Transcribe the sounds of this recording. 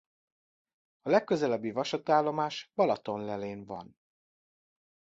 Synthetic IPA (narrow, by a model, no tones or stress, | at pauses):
ɒlɛkːø̞zɛlɛbːivɒʃɒt̪aːlːo̞maːʃbɒlɒt̪o̞nlɛleːnvɒ̰n